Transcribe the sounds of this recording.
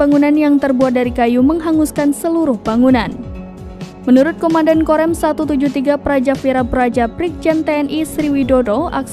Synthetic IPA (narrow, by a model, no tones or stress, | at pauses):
aŋunanjaŋt̪ərbuat̪̚daɾikajuməŋɦaŋuskansəluɾʊhbaŋunan | mənuɾʊt̪̚komandankoɾɛmsat̪ut̪ud͡ʒuht̪iɡapəɾad͡ʒafiɾapəɾad͡ʒapɾɪk̚d͡ʒɛnt̪eɛnisɾiwidodoa̰k